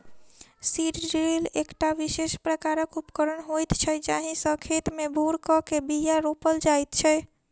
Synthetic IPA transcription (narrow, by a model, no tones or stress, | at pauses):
siɖɾelekʈaʋisespɾəkaɾəkupkəɾənɦojt̪t͡ʃʰɛd͡ʒaɦĩsə̃kʰet̪mebʱuɾkɔkebijaɾopəld͡ʒajt̪t͡ʃʰɛ